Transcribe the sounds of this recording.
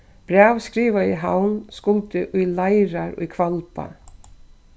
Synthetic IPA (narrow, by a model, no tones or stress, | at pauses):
b̥ɾaːʋskɾiːʋaiɦawnskʊlt̪ɪʔulajɾaɾʊ̰kʰvalpa̰